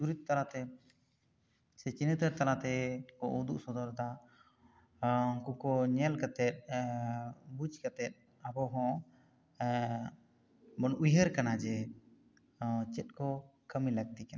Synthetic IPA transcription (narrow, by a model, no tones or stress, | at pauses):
suɾit̪̚t̪ːalat̪ɛ | sɛt͡ʃinit̪əɾt̪alat̪ɛkɔud̪uʔsɔd̪ɔɾd̪a | ɔŋkukɔɲɛlkat̪ɛt̪̚ | bud͡ʒkət̪ɛt̪̚ | abɔɦɔ̃ | bɔnujɦəɾkanad͡ʒɛ | t͡ʃɛt̪̚ˀkɔkəmiləɡ̚d̪ikana